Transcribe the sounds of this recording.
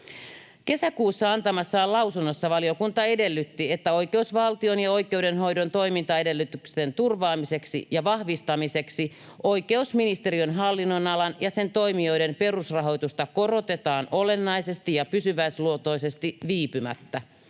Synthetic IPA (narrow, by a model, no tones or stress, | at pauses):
ke̞sækuːsːɑɑnt̪ɑmɑsːɑːlɑwsunːosːɑʋɑlio̞kunt̪ɑe̞de̞lːyt̪ːiet̪ːæo̞jke̞usʋɑlt̪io̞njɑo̞jke̞udenɦo̞jdo̞nt̪o̞imint̪ɑe̞de̞lːyt̪ykst̪ent̪urʋɑːmise̞ksḭjɑʋɑhʋist̪ɑmise̞ksi | ʔo̞ijke̞usminist̪e̞ɾiønɦɑlːinːonɑlɑnjɑse̞nt̪o̞jmio̞ide̞mpe̞rusrɑɦo̞jt̪ust̪ɑko̞rot̪e̞t̪ɑːno̞le̞nːɑise̞st̪ijɑpysyʋæisluot̪o̞ise̞st̪iʋiːpymæ̰t̪ːæ